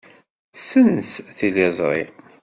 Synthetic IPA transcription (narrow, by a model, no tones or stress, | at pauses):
sənsθilæzˤɾˤḭ